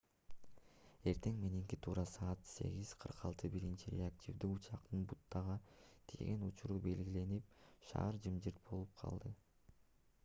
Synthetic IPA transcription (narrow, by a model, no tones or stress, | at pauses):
e̞ɾt̪e̞ŋmeniŋkit̪ʰuːɾɑsɑːɑt̪se̞̰ɡiz̥qʰɯɾqʰɑlˠt̪ʰɯbiɾint͡ʃiɾʲḛak̚tʲʰivd̪iut͡ʃɑqt̪ɯnbut̪ːɑʁɑt̪ʰḛɡenut͡ʃuɾuːbe̞lɡile̞nip̚ʃɑ̰ːɾd͡ʒɯmd͡ʒɯɾt̪̚bo̞lˠup̚qʰɑ̰lˠd̪ɯ